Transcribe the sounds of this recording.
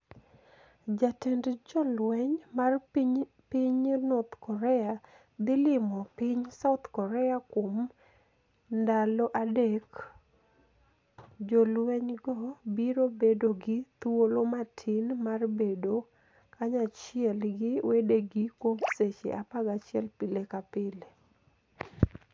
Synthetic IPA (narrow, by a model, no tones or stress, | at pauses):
d͡ʒatɛndd͡ʒɔlwɛɲmar | piɲnɔt̪kɔɾɛa | d̪ɪlɪmɔpiɲsaʊt̪kɔɾɛakwom | ndalɔʔadek | d͡ʒolwɛɲɡɔbiɾobedoɡɪt̪wolomatʰɪnmarbedo | kaɲat͡ʃɪɛlɡɪwedeɡɪkwomset͡ʃḛʔapaɡat͡ʃɪɛlpɪlekapɪle